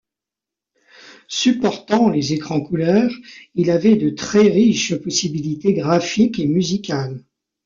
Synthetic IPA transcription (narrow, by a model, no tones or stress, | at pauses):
sypɔʁt̪ɑ̃lezekχɑ̃kulœːʁilavɛd̪ət̪χɛʁiʃpɔsibilit̪eɡʁafikemyzikʲal